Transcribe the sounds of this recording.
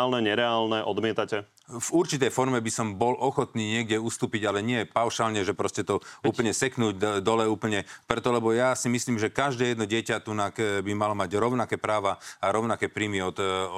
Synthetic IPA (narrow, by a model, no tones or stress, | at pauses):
lnɛɲɛɾɛaːlnɛʔɔd̪mɪɛt̪acɛ | vuɾt͡ʃit̪ɛjfɔɾmɛbisɔmbɔlʔɔxɔt̪niːɲɪɛɡɟɛust̪uːpiɟalɛɲɪɛpaʊʃaːlɲɛʒɛpɾɔscɛt̪ɔuːpəɲɛsɛknuːɟd̪ɔlɛuːpl̩ɲɛpɾɛt̪ɔlɛbɔjasimisliːmʒɛkaʒd̪ɛːjɛd̪nɔɟɪɛcat̪unakbimalɔmaɟɾɔʊnakɛːpɾaːʋaaɾɔʊnakɛːpɾiːmiɔt̪